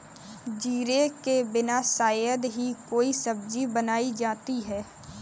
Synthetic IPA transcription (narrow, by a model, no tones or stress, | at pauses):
d͡ʒiːɾekebɪnasaːjəd̪ɦikoːisəb̚d͡ʒibənaːid͡ʒaːt̪iɦɛː